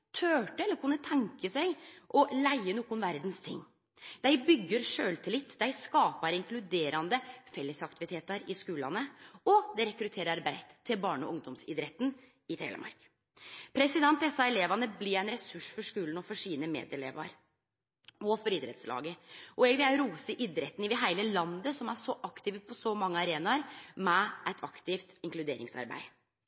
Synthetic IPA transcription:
t̪ʰøːʈəɛlːəɾkʰʉnːət̪ʰɛŋkəsæɪʔɔlæɪənuːkʊnʋæɾd̪nst̪ʰɪ̰ŋː | d̪æɪbʏɡːəɾʂøːlt̪ʰɪlɪt̪ːd̪æɪskɑːpɑɾɪŋklʉd̪eːɾɑnd̪əfɛlːəsɑk̚t̪ɪʋɪt̪ʰeːt̪ɑɾɪskʉːlɑ̰nəɔd̪ɛɾɛkɾʉt̪ʰeːɾəɾɑɾbæɪt̪ʰːɪlbɑːɳɔ̰ʊŋd̪ɔmsɪ̰d̪ɾɛt̪ːn | ɪt̪ʰḛːlə̰mɑ̰ɾk | pʰɾɛsɪd̪ɛnt̪ɛsːɑɛleːʋɑnəblɪɾæɪnɾɛsʉʂfɔʂkʉːln̩ɔfɔʂiːnəmḛːd̪ɛleːʋɑ̰ɾ | ɔfɔɾɪd̪ɾɛ̰t̪slɑ̰ːɡəʔɔɛɡʋɪæɾuːsəʔɪd̪ɾɛt̪ːnɪʋɪɦæɪləlɑnd̪əsɔmæʂɔʔɑkt̪ɪːʋəpʰɔsɔmɑŋːəɑɾeːnɑɾmɛʔɛt̪ʰɑkt̪ɪft̪ɪŋklʉd̪eːɾɪ̰ŋsɑ̰ɾbæ̰ɪ

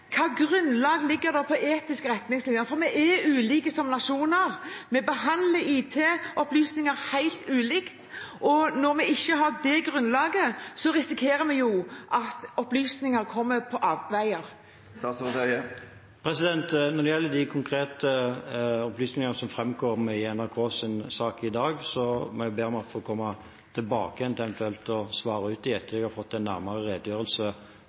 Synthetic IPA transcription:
kʰɑːɡɾʉnlɑːɡlɪɡːəɾd̪ɔpʰɔʔeːt̪ɪskəɾɛt̪nɪŋslɪnjəəfɔɾmɛʔɛʉːliːkəsɔmnɑʂuːnəɾmɛbəɦɑnd̪ləiːt̪ʰeːɔplyːsnɪŋəɾhæɪlt̪ʉːliːkt̪ʔɔnɔɾmɛɪçːəɦɑʁd̪ɛɡʁʉnlɑːɡəsɔɾɪsɪkʰeːɾəmɛjʊʔɑt̪ɔplyːsnɪŋəɾkʰɔmːəpʰɔʔɑːʋʋæɪəɾ | s | pʰɾɛsɪd̪ɛnt̪nɔɾd̪ɛjɛlːəd̪ɪkʰʊŋkʰɾeːt̪ə | ɔplyːsnɪŋənəsɔmfɾɛmɡʰoːɾmɛɪɛnæɾkʰoːsɪnsɑːkɪd̪ɑːɡsɔmɔɛbeːɾɔmɑt̪fɔɔkʰɔmːɑ | t̪ʰɪlbɑːkəɛnt̪ɛʋɛnt̪ʰʉɛlt̪ɔsʋɑːɾəʉːt̪̚d̪ɪɛt̪ʰːəɛɡhɑɾfɔt̪ːɛnːæɾmɑɾəʁeːd̪əjøːɾəlsə

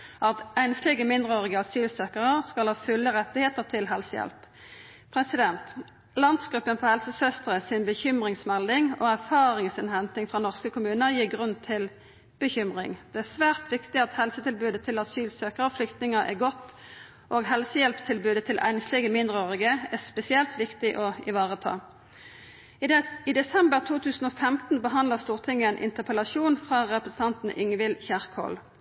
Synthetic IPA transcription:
ʔɑt̪æɪnslɪɡəmɪnd̪ʁəoːʁɪɡəɑsyːlsøːkəʁəʁskɑlhɑːfʉlːəʁɛt̪ːɪheːt̪əʁt̪ʰɪlɦɛlsəjɛ̰lp | pʰʁɛsɪd̪ɛnt̪ | lɑnd̪sɡʁʉpːənpɔhɛlsəsœst̪əʁəsɪnbəçʏmʁɪŋsmɛld̪ɪŋo̰ːæʁfɑːʁɪŋsɪnhɛnt̪ɪŋfʁɑnɔʁskəkʊmʉːnəʁjiːɡʁʉnt̪ʰɪl | b̥əçʏmʁɪ̰ŋd̪ɛæsʋæːʁt̪ʋɪkt̪ɪɑt̪hɛlsət̪ɪlbʉːd̪ət̪ʰɪlɑsyːlsøːkəʁɔflʏkt̪nɪŋəʔɛ̰ɡɔt̪ | ʔoːɡɦɛlsəjɛlpst̪ʰɪlbʉːd̪ət̪ʰɪlʔæ̰ɪnslɛɡəmɪnd̪ʁəøːʁɪɡəæspɛsɪɛlt̪ʋɪkt̪ɪʔɔɪʋɑːʁət̪ʰɑ̰ː | ɪd̪ɛsɛmbəʁt̪ʰuːt̪ʰʉːsn̩ɔːfɛmt̪n̩bəɦɑnd̪ləʁst̪uːʁt̪ʰɪŋːəɛnʔɪ̰nt̪əpʰəlɑsuːnfʁɑʁɛpʁəsən̩ʰɑnt̪n̩ʔɪŋʋɪlçæʁkhɔ̰ːl

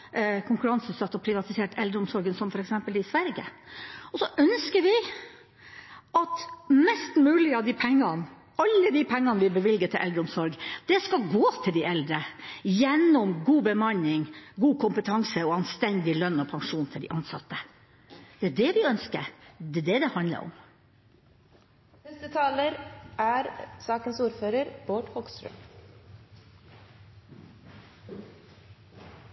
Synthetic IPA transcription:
kʰʊŋkʉɾɑnsʉːt̪sɑt̪ːɔpʰɾɪʋɑt̪ɪseːʈɛld̪ɾəʊmsɔɾɡənsɔmfɔɾɛksɛmpəlɪsʋæɾɡə̰ɔsɔʔœnskəɾʋɪ | ʔɑt̪mɛst̪mʉːlɪəɑʋd̪ɪpʰɛŋːɑn | ɑlːəd̪ɪpʰɛŋːɑnəʋɪbəʋɪlɡət̪ʰɪlʔɛld̪ɾəʊmsɔɾɡd̪̥ɛskɑɡoːt̪ʰɪld̪ɪʔɛld̪ɾəjɛnːɔmɡuːbəmɑnːɪŋɡuːkʰʊmpət̪ʰɑŋsəɔɑnst̪ɛnd̪ɪlœnɔpʰɑŋʂuːnt̪ʰɪld̪ɪ̰ʔɑnsɑt̪ːə | d̪̥ɛæɖɛʋɪœnskə̰ɾd̪ɛd̪ɛd̪ɛhɑnd̪lə̰ɾɔ̰m | nɛst̪ət̪ʰɑːləɾæːɾsɑːkənsuːɾføːɾəɾb̥oːɖhɔɡst̪ɾø̰m

